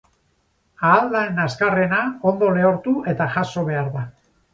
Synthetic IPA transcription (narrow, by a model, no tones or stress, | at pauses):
aːld̪aenaskare̞nao̞nd̪o̞le̞oɾt̪uʔe̞t̪aʝaso̞β̞e̞aɾða